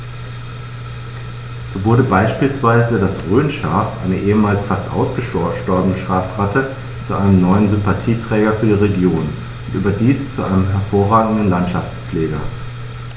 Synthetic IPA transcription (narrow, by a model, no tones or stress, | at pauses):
z̥oːvʊɐdəbaɪʃpiːlsv̥aɪzədasʁøːnʃa̰ːfʔa̰ɪnəʔeːəmaːlsfastʔa̰ʊsɡ̥əʃʃtɔɐbənəʃʁ̥aːfʁatʰə | t͡suʔaɪnəmnɔʏənzʏmpatʰiːtʁ̥ɛːɡɐfyːɐdiːʁeɡjoːn | ʔʊntʔy̰ːbɐdiːst͡suʔa̰ɪnəmɦɛɐfoːɐʁaːɡŋ̩dn̩lantʃaft͡spp͡fleːɡɐ̰